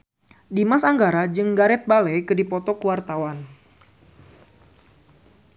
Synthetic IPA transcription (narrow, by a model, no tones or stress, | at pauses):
dimasaŋɡaɾad͡ʒɨŋɡaɾɛt̪̚balɛjkɨdipɔt̪ɔkuwart̪awan